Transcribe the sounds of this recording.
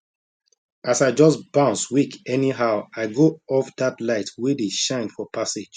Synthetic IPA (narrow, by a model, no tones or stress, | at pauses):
asaɪd͡ʒɔsb̥ãʊ̃nswikɛniɦaʊaɪɡoɔfdatlaɪtwedeʃãɪ̃nfɔpʰase̥d͡ʒ